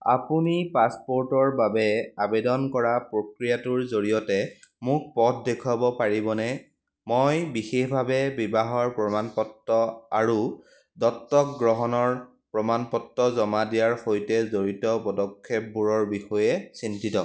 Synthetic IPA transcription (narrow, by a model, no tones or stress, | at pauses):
a̰punipaspoɹtɔɹbabɛabedɔnkɔɹapɹokɹijatʊɹzoɹijɔtɛmʊk̚pɔt̚ʰdekʰwabɔpaɹibɔnɛ | mojbixexbʱabɛbibaɦɔɹpɹɔmanpɔtːɔa̰ɹu | dɔtːɔkɡɹɔɦɔnɔɹ | pɹɔmanpɔtːɔzɔmadijaɹxojtɛzoɹitɔpɔdɔkʰːep̚buɹɔɹbixɔjɛsintitɔ